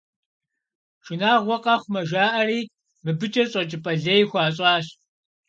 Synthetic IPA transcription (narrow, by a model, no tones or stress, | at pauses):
ʒɪnaːʁʷɔqʼɐxʷmɐʒaːʔɐriː | mɨbɨt͡ʃʼɐɕʼɐt͡ʃʼɪpʼɐɮɐjxʷaːɕʼɑːɕ